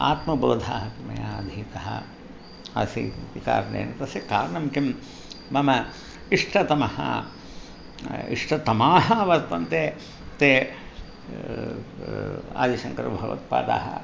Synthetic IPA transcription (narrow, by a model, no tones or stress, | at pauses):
a̰ːt̪mɐboːd̪ʱa̰ːɦɐk̪umɐjaːd̪ʱiːt̪ɐɦɐ̰ | ɐsḭp̪ika̰ːɾnḛːnɐt̪ɐsikaːɾɐɳɐmkimː | ɐmɐ | iʂʈʰɐt̪ɐmɐhɐ̰ | ḭʂʈʰɐt̪ɐmaːɦɐʋɐɾt̪ɐnt̪eː | t̪eː | a̰ːd̪iʃɐŋkɐɾɐbʱɐʋɐ̰t̪̚pa̰ːt̪a̰ːɦɐ̰